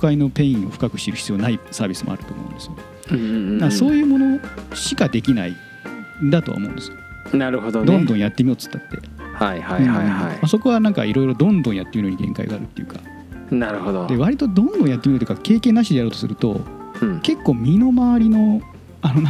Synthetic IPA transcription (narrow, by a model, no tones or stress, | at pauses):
okaino̞pẽ̞ĩo̞ɸɯ̟̥kakɯ̟̥ɕiɾɯ̟çi̥t͡sɨio̞ːnaisaːbʲisɨmo̰a̰ɾɯ̟t̪oːmo̞̰ɯ̰̃nd̪e̞sɨjo | maso̞ːjɯ̟ːmo̞no̞ɕi̥kad̪e̞kʲina̰ḭ̃ | nd̪at̪o̞a̰o̰mõ̞̰nd̪e̞sɨjo | naɾɯ̟ɦod̪od̪õnd̪õɰ̃jat̪ːemio̞t͡sɨ̥t̪ːat̪ːe̞̰ | hajhaɯ̟̃a̰jmaso̞koβanãŋka̰iɾo̞iɾo̞d̪õ̞nd̪õɰ̃jat̪ːemʲiɾoɲ̟iɡẽ̞̰ŋka̰ḭɡa̰ːɾɯ̟t̪ːe̞jɯ̟kḁ | naɾɯ̟hod̪od̪e̞βaɾʲit̪o̞d̪õ̞nd̪õɰ̃jat̪ːemiot̪oji̟kake̞ːkẽ̞nːaɕid̪eaɾo̞ːt̪osɨɾɯ̟t̪o̞̰ke̞kːo̞ːmʲino̞maβaɾʲino̞ | anona